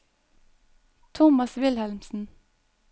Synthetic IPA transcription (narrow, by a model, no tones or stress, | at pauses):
t̪ʰʊmɑsʋɪlhɛlmsn̩